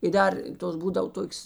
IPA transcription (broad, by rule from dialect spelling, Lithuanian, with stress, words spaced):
ɪ ˈdɐr ˈtoːs ˈbuːdɐw ˈtoːkʲoːs